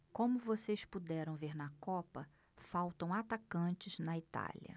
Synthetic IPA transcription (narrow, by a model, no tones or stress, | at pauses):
kõmʊvosejspud̪ɛɾɐ̃w̃veɾnɐkɔpɐ | fawt̪ɐ̃w̃at̪akɐ̃t͡ʃɪznɐit̪a̰lʲɐ̰